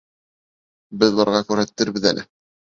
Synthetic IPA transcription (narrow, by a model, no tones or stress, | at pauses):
bɘðlˠɑɾʁɑkʉɾhæt̪ːɘɾbɘðæ̰lʔɘ̰